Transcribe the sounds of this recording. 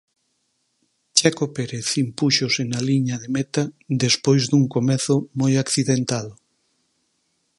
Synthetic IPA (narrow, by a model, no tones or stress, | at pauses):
t͡ʃakopeɾeθimpuʃosenaliɲaðemet̪ad̪espojzd̪uŋkomɛθʊmojakθiðent̪aðʊ